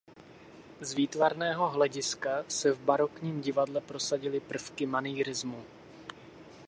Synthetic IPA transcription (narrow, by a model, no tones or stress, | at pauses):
zviːt̪vaɾnɛːɦo̞ɦlɛɟɪskasɛvbaɾo̞kɲiːmɟɪvadlɛpɾo̞saɟɪlɪpr̩fkɪmaniːɾɪzmu